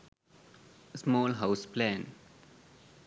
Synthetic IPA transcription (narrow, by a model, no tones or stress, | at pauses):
smɔːlɦaʊsplɛ̃n